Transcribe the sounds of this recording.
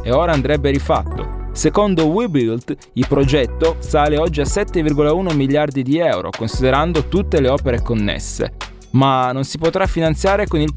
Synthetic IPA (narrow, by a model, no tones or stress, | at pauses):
eoːɾaːnd̪ɾɛbːeɾifa̰t̪ːo̰sekond̪owibilt̪ | ilpɾod͡ʒɛt̪ːosaːleɔd͡ʒːiasɛt̪ːevirɡolauːnomiʎjard̪id̪iɛwɾo̰konsid̪eɾand̪ot̪ut̪ːeleɔːpeɾekonːḛsːḛ | manːonsipot̪ɾafːinant̪sjaːɾekonil